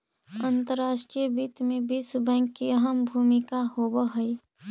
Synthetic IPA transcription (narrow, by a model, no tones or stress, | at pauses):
ənt̪əɾːaːʃʈiəbiːt̪mẽbisbɛ̃ːŋkːiəɦəmbʱuːmɪkahoːbəɦəi